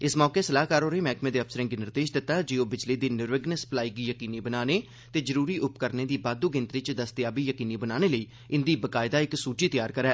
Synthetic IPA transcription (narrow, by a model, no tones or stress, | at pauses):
ɪsmɔːkeːsəlaːkaːɾoːɾeːmɛːkmẽːd̪eːəfsəɾɪ̃ŋɡinɪɾd̪eːʃd̪ɪt̪ːaːd͡ʒeːoːbɪd͡ʒliːd̪iːnɪɾʋəɡnəsə̥plaːiɡiːjəkiːniːbənaːneː | t̪eːzəɾuːɾiːʔʊpkəɾneːd̪iːbaːd̪uːɡɪ̃nt̪ɾɪt͡ʃd̪əst̪jaːbiːjəkiːniːbənaːneːləiː | ɪnd̪iːbəkaːɪd̪aːɪksuːʈiːt̪ɪjaːɾkəɾɛː